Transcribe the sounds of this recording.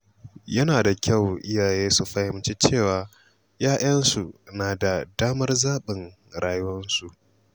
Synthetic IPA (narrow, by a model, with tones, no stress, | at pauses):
jɐ˦naː˨da˨kʲa˦˨wʔɪ˦jaː˨jeː˦su˨ɸɐ˦hɪ˦mt͡ʃe˦t͡ʃeː˦˨waː˨ | jaː˦ʔɐ˦nsu˨naː˨da˨daː˦mɐ˦rzaː˦ɓɪ˨ŋ | ɽaː˨jʊ˦wɐ˦nsu˨ʔ